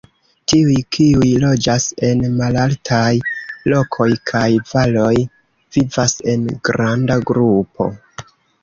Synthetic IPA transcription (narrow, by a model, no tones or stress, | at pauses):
tiujkʰiujlo̞d͡ʒase̞nmalaltʰajlo̞kʰo̞jkʰajvalo̞j | vivase̞nɡ̥ɾandaɡɾupo̞̰